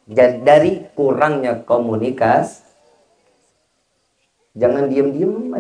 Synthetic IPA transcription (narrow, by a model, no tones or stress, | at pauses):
d͡ʒadaɾikuɾaŋɲakomunikas | d͡ʒaŋandiəmdiəma